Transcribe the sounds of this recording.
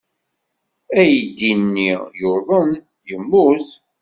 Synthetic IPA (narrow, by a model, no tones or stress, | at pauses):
æjd̪ːinːijoɾðˤən | jəmːuθ